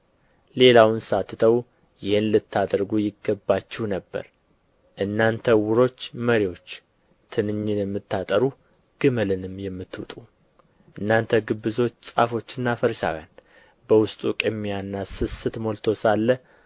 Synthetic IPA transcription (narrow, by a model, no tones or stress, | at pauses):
le̞lawnsat̪ːɨt̪ʰəw | jɪhɨnlɨt̪ʰːad̪ɾɡujɪɡəbːat͡ʃːɪwnəbːə̰ɾ | ʔɨnːant̪ʰəwʊɾo̞t͡ʃːməɾiwo̞t͡ʃː | t̪ʰɨnɨɲːɨjɛmːɨt̪ʰːat̪ʼəɾu | ɡ̥ɨməlɨnɨmjɛmːɨt̪ːwʊt̪ʼu | ʔɨnːant̪ʰəɡɨbːɨzo̞t͡ʃːsʼafo̞t͡ʃːɨnːafəɾʃa̰wja̰n | bəwʊst̪ʼukʼɨmːijanːasɨsɨt̪molt̪ʰo̞salːə